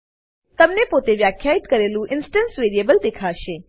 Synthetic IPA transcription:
t̪əmnepot̪eʋjakʰːjait̪kəɾelũʔɪnsʈənsʋeːɾijebəld̪eːkʰaʃe

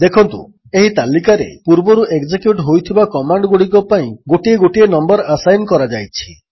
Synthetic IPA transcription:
d̪ekʰɔnt̪ṵ | eɦit̪alikaɾḛpuɾbɔɾuʔeɡd͡ʒekjuʈɦojt̪ʰibakɔmaɳɖɡuɽikɔpaĩɡoʈieɡoʈienɔmbɔɾasajnkɔɾad͡ʒajt͡ʃʰi̥

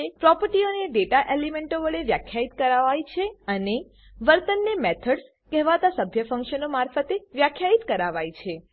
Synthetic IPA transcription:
epɾɔpəɾʈioneɖeʈaʔelemeɳʈoʋəɭeʋjakʰjait̪kəɾaʋajt͡ʃʰeəne | ʋəɾt̪ənːemet̪ʰəɖs | kɛɦʋat̪asəbʱjəfə̃ŋkʃənomaɾfət̪eʋjakʰjait̪kəɾaʋajt͡ʃʰe

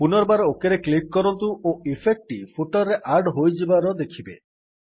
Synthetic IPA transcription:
punɔɾbaɾokeɾeklikːɔɾɔnt̪uʔoifʰek̚ʈipʰuʈɔɾːeʔaɾɖɦojd͡ʒibaɾɔd̪ekʰibḛ

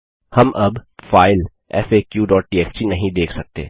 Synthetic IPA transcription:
hɐmʔɐbfaːɪl | ɛ̰feːkjuːɖɔːʈ̚ʈiːɛːft͡ʃinɐɦĩd̪eːkʰsɐk̚t̪ḛː

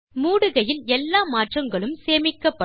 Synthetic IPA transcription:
muːɽɯɣɐjɪlɛlːaːmaːʈrɐŋɡɐɭɯmseːmɪkːɐpːɐ

